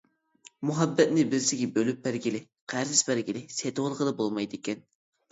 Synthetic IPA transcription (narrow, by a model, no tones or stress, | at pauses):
muɦɑbːɛt̪̚nɪbɪɾsɪɡʲɛbølyp̚bæɾɡʲilɪ | qʰæɾzɪsbæɾɡʲilɪset̪ʊwlˠəqəd̪ɑbolˠmɑjd̪ɪkʲɛn